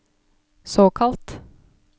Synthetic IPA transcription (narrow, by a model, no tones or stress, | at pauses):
soːkʰɑlt̪